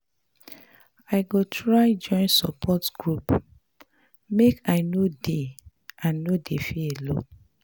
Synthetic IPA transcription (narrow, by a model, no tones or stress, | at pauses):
aɪɡotʰɹaɪd͡ʒɔ̃ɪ̃nsɔpʰɔtɡ̥ɹup | mekaɪnode | ãnːodefeelõ̰